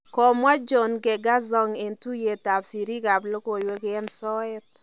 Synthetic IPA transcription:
kɔ˨mwa˦d͡ʒɔ˨nɡɛ˨ɡa˦zɔ˦ŋe˨ntu˦je˨ta˨psi˨ɾi˦ka˨blo˦ko˨jwe˦kɛ˦nsɔ˦ɪ˦t̚

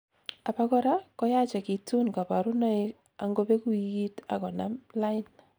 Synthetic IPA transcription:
a˨pa˦kɔ˦ɾa˦kɔ˦ja˦t͡ʃa˨ki˨tu˦nka˨pa˨ɾʊ˦na˦ɪ˦ | a˨ŋɡo˦pe˦ku˦i˨ki˦ta˨kɔ˨namla˦ɪ˦n

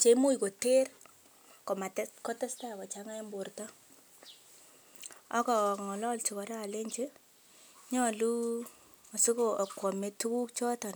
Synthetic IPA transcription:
t͡ʃe˨˦mu˦jko˨te˦r | kɔ˨ma˨tkɔ˦tɛ˦sta˦˨kɔ˨t͡ʃa˦ŋa˦mbo˨rtɔ˦ | ɔ̰˦kɔ˨ŋɔ˨lɔ˦lt͡ʃi˨kɔ˨ɾaː˦˨le˦ɲt͡ʃe˦ | ɲɔ˦˨lu˦ | ɔ˨si˦ko˨kwɔ˨me˨tu˦ku˦k̚t͡ʃɔ˦tɔ˨n

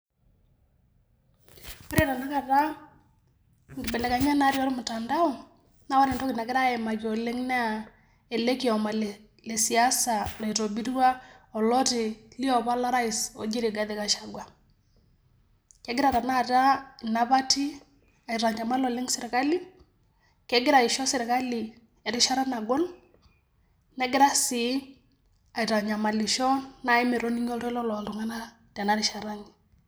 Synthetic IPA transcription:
pɪ˦ɾe˦˨ɾa˨na˦ka˨ta˦ | ŋɡɪ˨bɛ˨lɛ˨ka˨ɲa˦na˦ɾjɔ˦ɾe˦mʊ˨ta˨nda˦ɔ˦˨ | na˦wa˦nɛ˨ndɔ˦kɪ˨na˨kɪ˦ɾa˦ɛ˨ma˨kjɔ˨le˦ŋnɛ˦a˨ | e˨le˦ki˨ɔ˨ma˨l | le˨si˨a˦sa˨lɔ˨i˨to˨bi˦ɾwa˦ɔ˨lɔ˦tɪ˨li˦ɔ˨βa˦la˦ɾa˦isɔ˨d͡ʒi˦ɾi˨ɡa˦ðe˨ka˨ʃa˨ɡwa˨ | kɛ˦ɡɪ˦ɾa˨ɾa˨na˦˨ta˦˨na˦ba˦ti˦ | a˨ɪ˨ɾa˨ɲa˨ma˦lɔ˨lɪ˦ŋsɪ˨ɾka˦li˦ | kɛ˦ɡɪ˦ɾa˨ɪ˨ʃɔ˦sɪ˨ɾka˦lɪ˨ | ɛ˨ɾɪ˦ʃa˦ɾa˦na˨ɡɔ˦n | nɛ˦ɡɪ˦ɾa˦sɪ˨˦ | a˨i˨ɾa˨ɲa˨ma˨lɪ˨ʃɔ˦na˦˨ɪ˦mɛ˨ɾɔ˦ni˦ŋ˦ɔ˦ɾlɔ˦lɔ˨dʊ˨ŋa˦na˦ | ta˨na˦ɾɪ˨ʃa˨ɾa˦nɪ˨

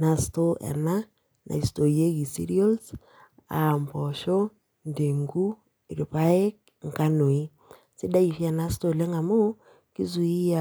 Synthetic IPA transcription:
na˨sto˦ʔɛ̰˨na˦ | na̰˨i˨sto˨je˦ki˨sḭ˦ɾi˦o˦ls | a̰˨mpɔ˨ʃo˦ | nde˨ŋɡu˦ | e˨ɾi˨pa˦e˦k̚ | ŋ˨ka˦no˨i˦ | sɪ˦da˦i˨fja˨na˦sto˦˨le˦ŋa˨mo˦ | ki˦zu˨i˦a˨

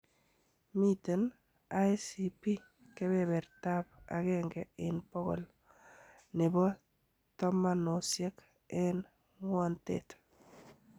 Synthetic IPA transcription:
mi˦t̪e˨n | a˦jsipi˦ | ke˦bɛ˨bɛ˨rta˦p̚a̰˨ɣɛŋɡɛ˨ɪnpɔ˦ɣɔ̰˨l | nɪ˨bɔ˦ | tɔ˦ma˦no˨sje˦k | ɛn | ŋwɔ˦ntḛt̪

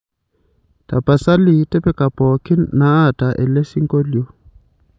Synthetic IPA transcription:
tʼa˨pʼa˨sa˦lɪ˨˦tʼɛ˦pɛ˦kʼa˨pʼɔ˨kʰɪ˦naː˨˦˨tʼa˨ʔɛ̰˨le˦si˦ŋkʼo˦ljo˦

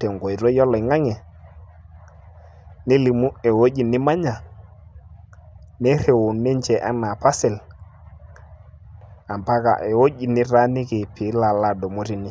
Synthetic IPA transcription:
tɛ˨ŋɡɔ˨i˨ɾɔ˦jɔ˦lɔ˨ŋa˦ŋɛ˨ | ni˦li˨mu˦ɛ˨wo˦ʄi˨nɪ˦ma˦ɲa˨ | nɛ˦ɾe˨wo˨nɛ˦nt͡ʃɛ˨ʔa̰˦na˨pa˦sɛ˨l | a˨mpa˦ka̰˨ʔɛ˨wo˦ʄi˨nɪ˦ɾa˦nɪ˦ki˨pʰi˨˦la˨la˨dɔ˨mo˦ɾi˨nɪ˦

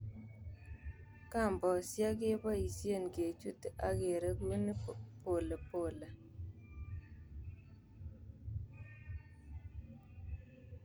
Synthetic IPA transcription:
ka˦˨mbɔ˨sja˦ɡɪ˦ba˦i˨sje˦˨nɡe˨t͡ʃu˦tʔa˦ɡe˨ɾe˦ɡu˦ni˦po˨le˨po˨le˨

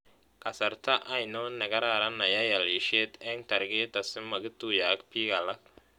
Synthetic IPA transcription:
kʼɐ˨sɐ˨rt̪ʰɐ˦ʔa˨jnɔː˦nɐ˨ɣɐ˦ɾaː˨ɾɐ˦nɐ˨jɐ˦jɐ˨li˨ʃɛ˦d̪ɛ˦ŋt̪ʰɐ˨ɾɡɛː˦d̪ɐ˨sɪ˦mɐ˨ɣɪ˦t̪u˨ja˨kpʰiː˦ɣɐ˨lɐ˦k

